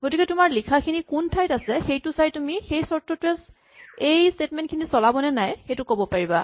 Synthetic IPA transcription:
ɡ̥otikɛtʊmaɹlikʰakʰinikuntʰajtasɛxejtʊsajtumixejsɔɹtʰɔtɛs | ejstetmɛ̃ntkʰinisɔlabɔnɛnajxejtʊkobɔpaɹiba

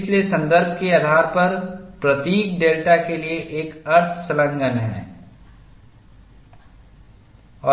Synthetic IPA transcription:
t͡ʃʰlesɐ̃nd̪əɾbʱkeaːd̪ʱaːɾpɐɾpɾɐt̪iːkɖeːlʈakelieʔeːkɐɾt̪ʰsɐlə̃ŋɡənɦɛ̰ː | ɔː

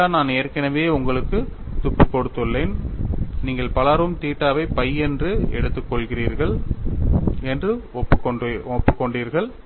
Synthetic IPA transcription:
aːnaːnɛːɐɾkɐnɐʋeːʊŋɡɐɭɯkːɯ | t̪ʊpːɯkːɔɽɯt̪ːɯɭːeːnniːŋɡɐɭpɐlaːɾʋɯmt̪iːʈːaːʋɐɪpɐjɛndrɯɛ̰ɽɯt̪ːɯkːɔɭɣɪriːɾɣɐɭ | ɛndrɯɔpːɔpːɯkːɔɳɖiːɾɣɐɭ

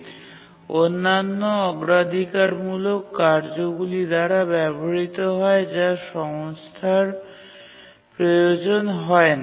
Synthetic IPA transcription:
onːanːoɔɡɾad̪ʱikaɾmulokːaɾd͡ʑoɡulid̪aɾabɛboɾit̪oɦɔed͡ʑaʃɔŋst̪ʰaɾ | pɾojod͡ʑonɦɔena

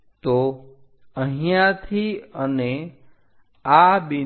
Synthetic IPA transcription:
t̪o | əɦijãt̪ʰiəne | abi

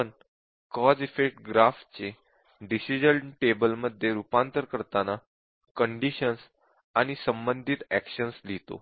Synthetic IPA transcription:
ən | kɔd͡zifekʈ̚ɡɾafʈt͡se | ɖisid͡ʑəlʈebəlməd̪ʱːjeɾupant̪əɾkəɾt̪ana | kəɳɖiɕəns | aɽ̃isəmbənd̪ʱit̪ækɕənslit̪o̰

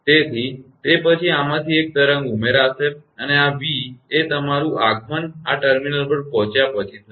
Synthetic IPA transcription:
t̪et̪ʰit̪epət͡ʃʰiamãt̪ʰiek̚t̪əɾə̃ŋɡumeɾaseəneaʋiet̪əmaɾũʔaɡʱmənaʈəɾminəlpəɾpɔ̃ɦt͡ʃjapət͡ʃʰit̪

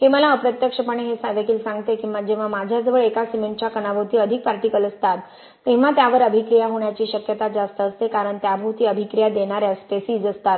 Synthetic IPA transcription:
kĩʋəlaəpɾət̪jəkʂəpəɳ̃eɦesʋjəkiːlsãŋɡt̪ekĩw̃ʋad͡ʑẽʋamad͡ʑʱjad͡zəʋəɭekasimeɳʈt͡ɕakənabʱəwt̪iːəd̪ʱik̚paɾʈikələst̪at̪ː | ẽʋ̤at̪jaʋəɾəbʱikɾijaɦoɳjat͡ɕiːɕəkjət̪ad͡zast̪əːst̪ekaɾəɳt̪jabʱəʋt̪iːəbʱikɾijad̪eɽ̃aɾjasp̪esiːd͡zəst̪at̪

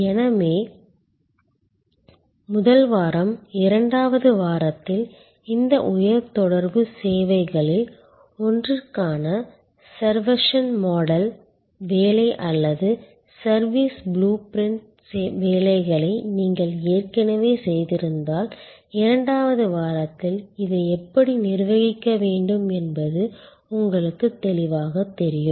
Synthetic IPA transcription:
ɛnɐmeː | mʊðɐlʋaːɾɐmɪɾɐɳɖaːʋɐðɯʋaːɾɐt̪ːɪl | ɪnd̪ɐʔʊjɐɾt̪ɔɽɐɾbɯseːʋɐɪɣɐɭɪl | ɔndrɪrkaːnɐ | sɐɾʋɐʂɐnmoːɽɐl | ʋeːlɐɪʔɐlːɐðɯ | sɐɾʋiːsbluːpɾɪɳʈ | seʋeːlɐɪɣɐɭɐɪniːŋɡɐɭeːrkɐnɐʋeːsɛjðɪɾɯnd̪aːl | ɪɾɐɳɖaːʋɐðɯʋaːɾɐt̪ːɪlɪðɐɪɛpːɐɽinɪɾʋɐɣɪkːɐʋeːɳɖɯmɛnbɐðɯ | ʊŋɡɐɭɯkːɯt̪ːɛlɪʋaːɣɐt̪ːɛɾɪjɯmm

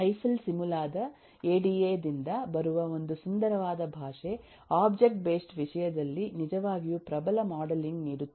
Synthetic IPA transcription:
ɐjsɐlsimulaːd̪ɐ | eːɖieːd̪ind̪ɐbɐɾuʋɐo̞nd̪usund̪ɐɾɐʋaːd̪ɐbʱaːʂe | aːbd͡ʒek̚ʈ̚be̞ːsʈʋiʂɐjɐd̪ɐlːinid͡ʒɐʋaːɡijupɾɐbɐlɐmaːɖɐliŋɡniːɽut̪ː

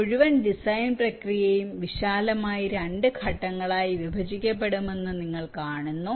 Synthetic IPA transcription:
uɻuʋɐnɖisɐjnprɐkrijejumʋiɕaːlɐmaːjiɾɐɳɖɨkʰɐʈːɐŋːɐɭaːjiʋibʱɐd͡ʑikʲːɐp̬ːe̞ɽume̞nːɨniŋːɐɭkaːɳunːu

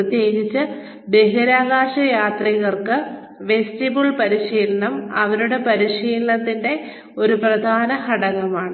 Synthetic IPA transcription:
ɨt̪je̞ːɡit͡ɕːɨ | d̪e̞ɦɐɾaːɣaːʂɐjaːt̪riɣɐrkɨ | ʋe̞stibuɭpɐɾiɕiːlɐnɐmɐ̰ʋɐɾuɽe̞pɐɾiɕiːlɐnɐt̪ːinde̞ | o̞ɾuprɐd̪ʱaːnɐhɐɽɐɣɐmaːɳɨ

